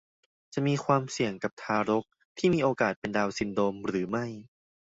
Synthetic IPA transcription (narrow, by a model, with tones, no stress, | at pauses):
t͡ɕa˨˩ʔmiː˧kʰwaː˧msi˨˩əŋka˨˩p̚t̪ʰaː˧ɾo˦˥k̚ | t̪ʰiː˥˩miː˧ʔoː˧kaː˨˩t̪̚pe˧ndaː˧wsi˧ndoː˧mɾɯː˩˦ma˥˩j